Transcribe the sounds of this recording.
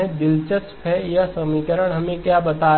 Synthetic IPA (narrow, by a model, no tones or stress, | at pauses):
ẽd̪ɪlt͡ʃəspʰɛjasɐmiːkəɾəɽ̃ɦɐmẽkjabɐt̪aː